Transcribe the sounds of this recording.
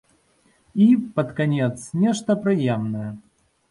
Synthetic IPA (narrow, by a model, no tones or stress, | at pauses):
ipɐt̪kanʲɛt̪snʲɛʂt̪ɐpɾɨjɛmnɐjɐ